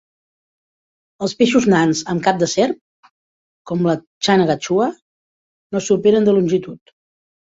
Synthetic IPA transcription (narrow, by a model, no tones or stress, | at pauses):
əlˠspeʃuznanzəmkap̚d̪əsɛɾp̚ | kɔmlə | t͡ʃanəɣat͡ʃuə | nosupeɾənd̪əlunʲʒit̪ut̪